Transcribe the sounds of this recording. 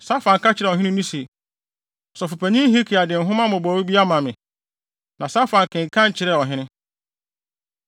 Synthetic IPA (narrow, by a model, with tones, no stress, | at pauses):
sa˦fã˨ŋ̩˨ka˦t͡ɕʰɪ˨ɾɛ˨ɔ˨ɦɪ̃˦nɪ̃˦nĩ˦se˨ | sɔ˨fu˨pʰæ˨ɲĩ˦ɦi˦kʰi˨a˨dɪ̃˨n̩˨ɦʊ̃˦mã˦mʊ̃˨bɔ˨wu˦bi˦a˦mã˨mɪ̃˨ | nã˨sa˦fã˨ŋ˨kʰɪ̃˨ŋ̩˨kʰã˦ɲ˨t͡ɕʰɪ˨ɾɛ˦˨ɔ˨ɦɪ̃˦nɪ̃˦